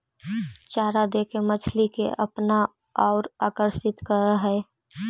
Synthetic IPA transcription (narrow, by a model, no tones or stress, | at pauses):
t͡ʃaːɾad̪ekemət͡ʃʰlikḛʔəpna | aːɾa̰ːkəɾʃɪt̪kəɾəɦɛ